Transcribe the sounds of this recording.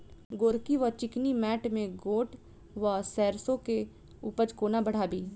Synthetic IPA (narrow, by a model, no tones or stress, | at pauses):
ɡoːɾkiʋɔɾt͡ʃɪknimɛːʈmẽɡoːʈ | ʋasɛːɾsõke | uːpəd͡ʒkoːnabɐɽ̤aːbiː